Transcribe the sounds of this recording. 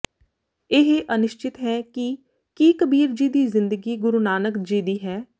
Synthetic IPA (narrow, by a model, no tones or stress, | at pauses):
ɪɦeʔənɪʃt͡ʃɪt̪ɦɛːki | kiːkəbiːɾd͡ʒiːd̪iːzɪnd̪əɡiːɡʊɾunaːnəkd͡ʒiːd̪iːɦɛː